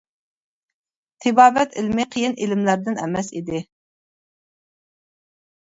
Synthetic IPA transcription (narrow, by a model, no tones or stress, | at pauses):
t̪ʰɨbɑːbɛt̪ilmɪqʰəjinʔilɪmlæɾd̪ɪnɛ̰mɛsḭd̪ɪ